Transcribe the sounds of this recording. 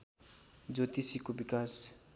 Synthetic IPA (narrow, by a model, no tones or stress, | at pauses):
d͡ʒot̪isikobikaːs